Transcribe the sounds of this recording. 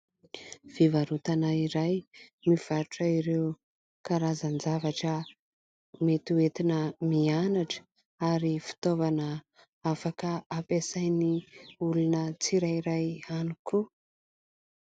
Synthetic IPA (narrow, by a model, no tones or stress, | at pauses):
v̥ivaɾut̪anaiɾajmiv̥aɾʈ͡ʂaiɾew | kaɾazand͡zavaʈ͡ʂə | met̪uet̪inəmianaʈ͡ʂə̥ | aɾifi̥t̪ovanə | afakəapesajniulunət͡siɾajiɾajanikʰu